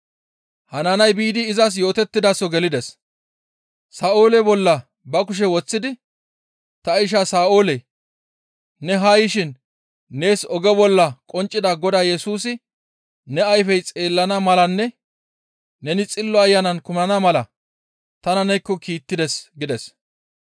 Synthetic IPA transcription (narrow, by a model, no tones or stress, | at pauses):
hɐnanɐjbiːd̪ɪːzɐs̬jo̞ːt̪ɛt̪ːɪd̪asɔɡɛlɪd̪ɛs | saːo̞ːlɛbɔlːɐ | bɐkʊʃ̬ɛwɔt͡sːɪd̪ɪ | t̪ɐɪʃ̬asaːo̞ːlɛ | nɛɦɐjɪʃɪnː | e̞ːsɔɡɛbɔlːɐkʼɔnt͡ʃʼːɪd̪ɐɡɔd̪aːjɛsuːsɪ | nɛɐjfɛjt͡sʼe̞ːlːɐnɐmɐlɐnːɛ | nɛnɪt͡sʼɪlːɔɐjːɐnɐnkʊmnɐnɐmɐlɐ | t̪ɐnɐnɛjkːɔkiːt̪ːɪd̪ɛsɡɪd̪ɛs